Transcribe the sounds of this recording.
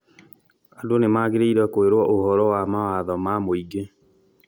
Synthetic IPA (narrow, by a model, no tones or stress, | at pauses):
adonemaɣeɾeiɾɛkoeɾwɔʔohɔɾɔwamawaðɔmamoiɡe